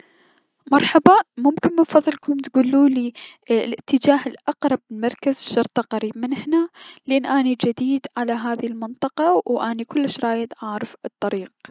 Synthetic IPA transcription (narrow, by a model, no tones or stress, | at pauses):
mɑɾˤħabamʊmkɪnmɪnfɑðˤːɨlkʊmt̪ɡuːlːuːli | lʔɪt̪ʰːɪd͡ʒaːhɪlʔɑqɾˤɑb̚ɪlmɑɾˤkazʃːɑɾˤt̪ˤɑqɑɾib̚mɪnhnalʔeːnːʔaːnid͡ʒad̪iːd̪ʕalaɦaːðilmɪnt̪ˤɑqɑwʔaːnikʊlːɪʃɾˤɑːjɪt̪ʕɑːɾɪfɨt̪ˤːɑɾiːq